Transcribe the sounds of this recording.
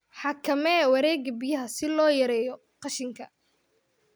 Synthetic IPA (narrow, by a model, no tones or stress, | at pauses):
ħɑkʰɐmɛwɑɾɛːɡɐbɪjɐɦɐsɪlɔːjɐɾɛːjɔ | qɑʃɪŋkʰɐ